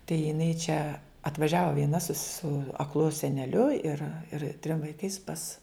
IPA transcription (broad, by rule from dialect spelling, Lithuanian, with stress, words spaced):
tɐɪ jɪˈnɐɪ t͡ʃʲɛ ɐtʋɐˈʒʲæːʋɐ ʋʲiɛˈnɐ sʊ sʊ ɐkˈlˠʊ sʲɛnʲɛˈlʲʊ ɪr ɪr tʲrʲɪm ʋɐɪˈkɐɪs pɐs